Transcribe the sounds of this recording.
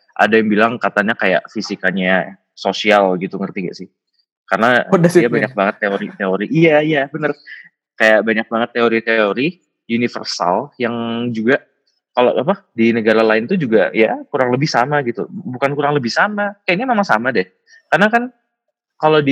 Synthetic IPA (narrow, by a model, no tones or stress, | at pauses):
ʔa̰dajaŋbilaŋkat̪aɲakaja̰ʔfisikaɲa | sosialɡit̪uŋərt̪iɡa̰ʔsɪh | karənadjabaɲak̚baŋət̪ːeoɾit̪eoɾiʔjajabənər | kajaʔbaɲak̚baŋət̪ːeoɾit̪eoɾi | junifə̰rsa̰ljaŋd͡ʒuɡaʔ | kalo̰ʔapadinəɡaɾalaɪnt̪ud͡ʒuɡa̰jakuɾaŋləbɪhsamaɡit̪ubukankuɾaŋləbɪhsamakajaʔnɲamamasamadɛh | karnakan | kalodi